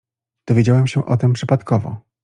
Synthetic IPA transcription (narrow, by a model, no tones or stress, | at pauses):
d̪̥ɔvʲjed͡ʑawɛmɕɛʔɔt̪ɘmpʂɘpat̪kɔvɔ̰